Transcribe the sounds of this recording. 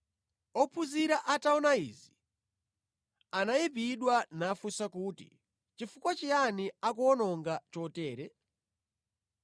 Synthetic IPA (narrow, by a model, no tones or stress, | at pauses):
ɔpʰuziɾaʔataɔnaḭzi | anajipiɗwanafusakuːtḭ | t͡ʃifukwat͡ʃianiakuɔnɔŋɡat͡ʃɔtɛːɾɛ